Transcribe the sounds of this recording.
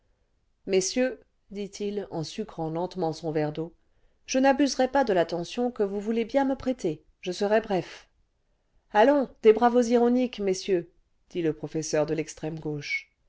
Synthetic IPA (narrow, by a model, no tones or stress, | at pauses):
mesjø | d̪it̪ʰilɑ̃sykχɑ̃lɑ̃t̪mɑ̃sɔ̃vɛʁd̪o | ʒənabyzʁɛpad̪əlat̪ɑ̃sjɔ̃kəvuvulebjɛ̃məpχet̪e | ʒəsəʁɛbʁɛf | alɔ̃d̪̥ebʁavoziʁɔnikmesjø | d̪̥iləpχɔfɛsœʁd̪əlɛkst̪χɛmɡoʃ